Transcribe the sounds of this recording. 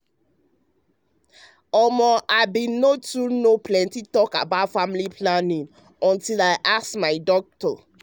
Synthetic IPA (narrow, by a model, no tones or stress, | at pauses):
ɔmɔʔaɪbĩnotunoplɛ̃ntitɔka̰baʊtfamlipʰlanĩŋ | ɔ̃ntilaɪʔasmaɪdɔk̚tɔ̰